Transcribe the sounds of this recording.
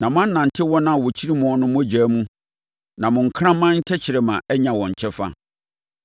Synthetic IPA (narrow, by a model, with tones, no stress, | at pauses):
nã˨mʊ̃˦ã˦n̩˦nã˨n˨tʰɪ˦wɔ̃˦nã˦˨wɔ˨t͡ɕʰi˦ɾi˦mɔ̃˦˨˦nʊ̃˦mʊ̃˦æ˦d͡ʑæː˨˦mũ˦ | nã˨mʊ̃˨ŋ̩˨kʰɾã˦mã˦ɲ̩˦t͡ɕʰɛ˦t͡ɕʰɪ˨ɾɛ˨mã̰˨ʔɛ˦ɲã˨wɔ̃˨ɲ˨t͡ɕʰɛ˦fa̰˦